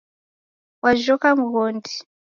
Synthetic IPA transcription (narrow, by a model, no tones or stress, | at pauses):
waʒokamuɦoːndi